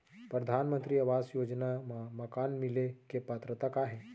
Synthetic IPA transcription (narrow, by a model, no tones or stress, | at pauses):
pɾəd̪ʱanmənt̪ɾiːəʋasjod͡ʒnaməkanmilekepat̪ɾət̪akaɦe